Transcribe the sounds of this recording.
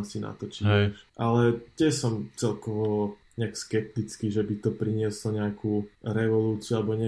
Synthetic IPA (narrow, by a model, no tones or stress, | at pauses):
sina̰t̪ɔt͡ʃiɛʔalɛt̪jɛsɔmt͡sɛlkɔʋɔ | ɲɛakskɛp̚t̪it͡skiʒɛbit̪ɔpɾiɲɪɛslɔɲɛakʰuːɾɛʋɔluːt͡siualɛbɔɲɛ